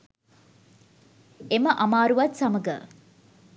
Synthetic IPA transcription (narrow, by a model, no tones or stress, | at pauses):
eməʔɐmaːɾuʋɐt̪sɐməɡə